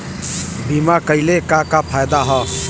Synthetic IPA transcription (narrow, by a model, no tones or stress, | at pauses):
bimakəɪlekakapʰajd̪aɦɔ